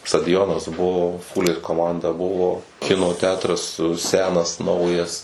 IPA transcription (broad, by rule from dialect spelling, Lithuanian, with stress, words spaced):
stɐdʲɪˈjoːnɐs ˈbʊʋoː ˈfuːlʲeːs koːˈmɐndɐ ˈbʊʋoː ˈkʲɪnoː ˈtʲæːtrɐs ˈsʲæːnɐs ˈnɐʊjɛs